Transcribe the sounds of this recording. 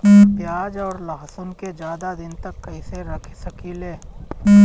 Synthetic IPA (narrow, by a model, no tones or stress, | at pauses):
pjaːd͡ʒɔːɾlaɦsʊnked͡ʒjaːd̪ad̪ɪnt̪ɐkːɐiseɾɐkʰsɐkileː